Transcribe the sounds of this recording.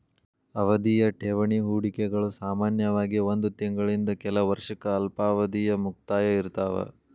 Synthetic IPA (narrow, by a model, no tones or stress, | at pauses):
ɐʋɐd̪ijɐʈʰeʋɐɳiɦuːɽikɛɡɐɭusaːmaːnjɐʋaːɡio̞nd̪ut̪iŋɡɐɭind̪ɐkɛlɐʋɐɾʂɐkɐːlpaːʋɐd̪ijɐmuk̚t̪aːjɐiɾt̪aːʋɐ̰